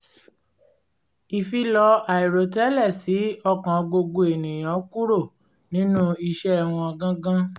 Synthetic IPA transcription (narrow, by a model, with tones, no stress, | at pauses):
i˨fi˧lɔ˧a˨i˨ɾo˨tɛ˦lɛ˦˨si˨˦ɔ˧kã˨ɡ͡bo˧ɡo˧e˨nĩ˨j̃ã˨˦ku˦ɾo˦˨ | nĩ˨˦nũ˦i˧ʃɛ˦ɛ˦˨w̃ɔ̃˧a˧ɡã˦ɡã˦